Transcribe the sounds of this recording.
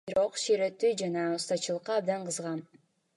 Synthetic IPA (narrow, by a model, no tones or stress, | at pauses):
biɾo̞qʃiɾet̪ːyd͡ʒɑnɑust̪ɑt͡ʃɯlˠəqːɑːb̚d̪ɑɴqʰɯzʁɑn